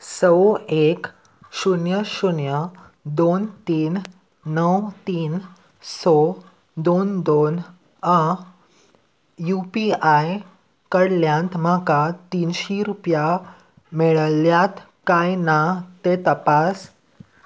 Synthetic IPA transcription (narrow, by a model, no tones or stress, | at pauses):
səwek | ɕuɳjəɕuɳjə | d̪ont̪iːnː | əwt̪iːn | sɔ | d̪ond̪on | ə | jupiaj | kəɽljãnt̪m̤akat̪inɕiɾupja | meɭəljat̪ | kajnat̪et̪əpas